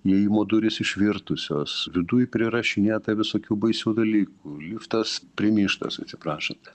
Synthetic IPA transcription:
jɛimoːd̪ʊɾʲɪsɪʃʲʋʲɪrt̪ʊsʲoːsʋʲɪd̪ujpʲɾʲɪɾɐʃʲɪnʲeːt̪ɐʋʲɪsoːkʲuːbɐɪsʲuːd̪ɐlʲiːkulʲiːft̪ɐspʲɾʲɪmʲiːʃt̪ɐ̰sɐt̪ʲsʲɪpɾɑːʃɐnt̪ʲ

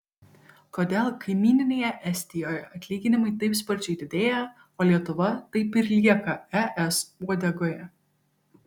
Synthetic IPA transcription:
koːd̪ʲeːlˠkɐɪmʲiːnʲɪnʲeːjɛʔɛsʲt̪ʲɪjoːjɛʔɐt̪ʲlʲiːɡʲɪnʲɪmɐɪt̪ɐɪpspɐɾʲt͡ʃʲɛɪd̪ʲɪd̪ʲeːjɛ | oːlʲiɛt̪ʊʋɐt̪ɐɪpɪɾʲlʲiɛkɐæʔɛsuɔd̪ʲɛɡoːjɛ

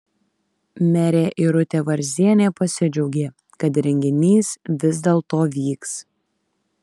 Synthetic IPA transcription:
mʲɛɾʲeːʔɪɾʊt̪ʲeːʋɐɾʲzʲiɛnʲeːpɐsʲɪd͡ʒʲɛʊɡʲeː | kɐt̪ɾʲɛŋʲɡʲɪnʲiːsʋʲɪzd̪ʲeːlˠt̪oːʋʲiːks

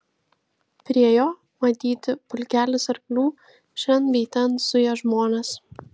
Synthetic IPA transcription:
pʲɾʲiɛjoː | mɐt̪ʲiːt̪ʲɪpʊlʲkʲæːlʲɪsɐɾklʲuː | ʃʲɛnʋʲɛt̪ʲɛnsʊjoːʒmoɔnʲɐs

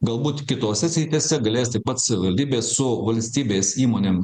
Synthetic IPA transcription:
ɡɐlˠbuːt̪kʲɪt̪oːsʲɛsʲɾʲɪt̪ʲeːsʲɛɡɐlʲeːst̪ɐɪpɐt̪sɐʋʲɪʋɐlʲd̪ʲiːbʲeːssʊʋɐlʲsʲt̪ʲiːbʲeːsiːmoːnʲeːm

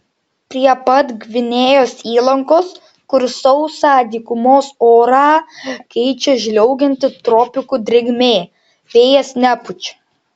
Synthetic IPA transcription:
pʲɾʲiɛpɐt̪ɡʲʋʲɪnʲeːjoːsiːlˠɐŋkoːs | kʊɾsɒʊsɑːd̪ʲiːkʊmoːsoːɾɑːkɛɪt͡ʃʲɛʒʲlʲɛʊɡʲɛnʲt̪ʲɪt̪ɾɔpʲɪkud̪ʲɾʲɪɡʲmʲeː | ʋʲeːjɛsnʲæpʊt͡ʃʲ

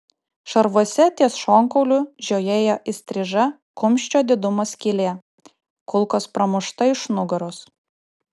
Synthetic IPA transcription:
ʃɐɾʋuɔsʲɛt̪ʲiɛsʃoːŋkɔʊlʲʊʒʲoːjeːjoːʔɪsʲt̪ʲɾʲɪʒɐ | kʊmʲʃʲt͡ʃʲoːd̪ʲɪd̪ʊmɐskʲɪlʲeː | kʊlˠkoːspɾɐmʊʃt̪ɐɪʃnʊɡɐɾʊs

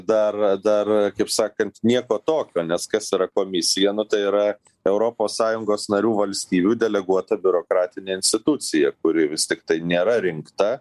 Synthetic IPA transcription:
d̪ɐrd̪ɐrkɐɪpsɑːkɐnt̪nʲiɛkoːt̪oːkʲoːnʲɛskɐsiːɾɐkoːmʲɪsʲɪjɛnʊt̪ɐɪiɾɐ | ɛʊɾoːpoːssɑːjʊŋɡoːsnɐɾʲuːʋɐlʲsʲt̪ʲiːbʲuːd̪ʲɛlʲɛɡuɔt̪ɐbʲʊɾoːkɾɑːt̪ʲɪnʲeːɪnʲsʲt̪ʲɪt̪ʊt͡s̪ʲɪjɛkʊɾʲɪʋʲɪst̪ʲɪkt̪ɐɪnʲeːɾɐɾʲɪŋkt̪ɐ

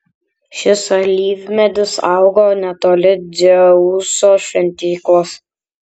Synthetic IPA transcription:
ʃʲɪsɐlʲiːʋʲmʲɛd̪ʲʊsɑʊɡoːnʲɛt̪oːlʲɪd̪ʲɛuːsoːʃʲʋʲɛnʲt̪ʲiːklˠos

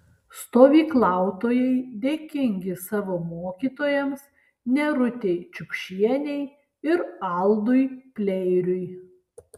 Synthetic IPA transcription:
st̪oːʋʲiːklˠɑˑʊt̪oːjɛɪd̪ʲeːkʲɪŋʲɡʲɪsɑːʋoːmoːkʲiːt̪oːjɛms | nʲɛɾʊt̪ʲeɪt͡ʃʲʊpʲʃʲiɛnʲɛɪ | ɪɾɐˑlˠd̪ʊjpʲlʲɛɪɾʲʊj

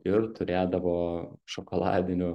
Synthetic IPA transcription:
ɪɾt̪ʊɾʲeːd̪ɐʋoːʃokoːlˠɑ̰ːd̪ʲɪnʲʊ

